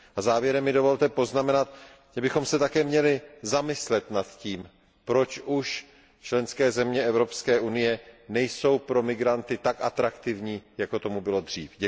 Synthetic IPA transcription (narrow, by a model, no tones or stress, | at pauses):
ʔazaːvjɛɾɛmːɪdo̞vo̞lt̪ɛpo̞znamɛnat̪ | ʒ̥ɛbɪxo̞msɛt̪akɛːmɲɛlɪzamɪslɛt̪nat̪ciːm | pɾo̞t͡ʃʔuʃ | t͡ʃlɛnskɛːzɛmɲɛɛvɾo̞pskɛːʔunɪjɛnɛjso̞wpɾo̞mɪɡɾant̪ɪt̪akʔat̪ɾakt̪ɪvɲiːjako̞t̪o̞mubɪlo̞d̪r̝̥iːfɟɛ